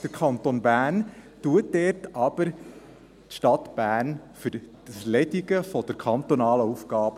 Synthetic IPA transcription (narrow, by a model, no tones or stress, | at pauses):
d̥əɾkʰɑnt̪onbæːntuətdɛːrtɑb̥əɾ | tʃtɑt̪b̥æːnfʏɾ̥ | əslɛd̪iɡəfɔd̥əɾkʰɑnt̪ɔnɑːləufɡ̥ɑːb